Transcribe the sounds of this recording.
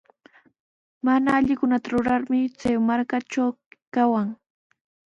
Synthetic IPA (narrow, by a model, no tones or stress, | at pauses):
manaːʎɪkʊnat̪aɾʊɾaɾmɪt͡sajmaɾkat͡ʃawkawaŋ